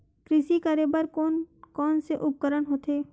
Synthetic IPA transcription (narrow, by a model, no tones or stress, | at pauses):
kɾɪsikəɾebəɾkoːnkɔːnseʔʊp̚kəɾənɦoːt̪eː